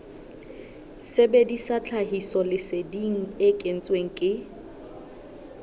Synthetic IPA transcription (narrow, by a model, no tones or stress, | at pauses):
sebedisat͡ɬʰaɦisɔlɪsediŋ̩ɪkʼen̩t͡sʼweŋ̩kʼɪ